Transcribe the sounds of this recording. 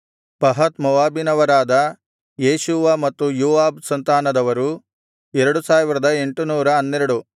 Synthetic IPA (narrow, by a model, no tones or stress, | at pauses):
pɐɦɐt̪mɔʋaːbinɐʋɐɾaːd̪ɐ | jeːʃuʋɐmɐt̪ːujuːʋaːbsɐnt̪aːnɐd̪ɐʋɐɾu | ɛɾɐɽusaːʋiɾɐd̪ɐe̞ɳʈunuːɾɐɐnːɛɾɐɽu